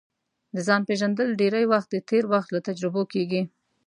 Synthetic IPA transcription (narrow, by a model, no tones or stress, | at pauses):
d̪əzɑnpeʒand̪əlɖeɾajwaxt̪̚d̪ət̪ʰeɾwaxt̪lat̪ad͡ʒɾɪbokeɡi